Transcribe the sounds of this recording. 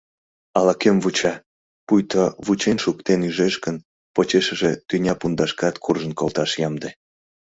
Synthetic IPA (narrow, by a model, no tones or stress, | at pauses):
ɑlɑkemvut͡ɕɑ | pujt̪oβut͡ɕenʃuk̚t̪enyʒeʃkən | pot͡ɕeʃə̆ʒet̪ynʲɑpund̪ɑʃkɑt̪kʰurʒənkolt̪ɑʃjɑmd̪e